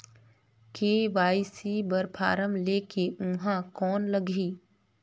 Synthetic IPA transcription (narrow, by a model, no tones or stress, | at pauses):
keːʋaːɪsibəɾpʰa̰ːɾəmleːkeʊɦãkɔːnləɡʱiː